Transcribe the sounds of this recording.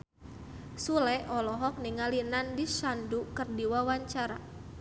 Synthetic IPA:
sulɛʔɔlɔɦɔk̚niŋalinandiʃandukɨrdiwawaɲt͡ʃaɾa

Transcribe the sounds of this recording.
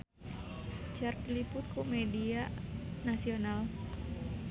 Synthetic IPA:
t͡ʃart̪ilipʊt̪̚kʰumedianasional

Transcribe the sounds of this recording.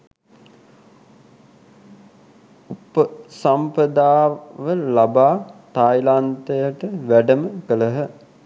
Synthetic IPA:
upəsampɾəd̪aːʋəlabaːt̪ajlant̪əjəʈəʋæɖəməkələɦə

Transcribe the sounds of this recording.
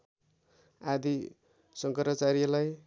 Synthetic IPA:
ad̪i | sʌŋkʌɾmʌt͡saɾilaj

